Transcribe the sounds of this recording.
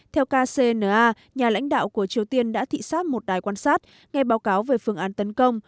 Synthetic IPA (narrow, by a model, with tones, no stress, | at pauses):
t̪ʰɛ˧wkaː˧se˧nəː˨˩ʔaː˧ | ɲaː˨˩la̰˧˥jŋ̟ɗa̰ː˧˨wku˧˩ət͡ɕi˨˩əwt̪i˧ənɗa̰ː˧˥t̪ʰḭ˧˨saː˦˥t̚mo˨˩t̚ɗaː˨˩jkwaː˧nsaː˦˥t̚ | ŋa˧jɓaː˨˦wkaː˨˦wveː˨˩fɨ˧˩əŋʔaː˨˦nt̪ə˨˦nkə˧wŋ͡m